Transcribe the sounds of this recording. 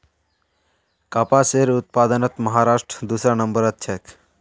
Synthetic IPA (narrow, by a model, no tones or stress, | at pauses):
kaːpaseːɾʊt̪̚paːd̪ənət̪məɦaːɾaːʃʈɾəd̪uːsɾanəmbəɾət̪̚t͡ʃʰek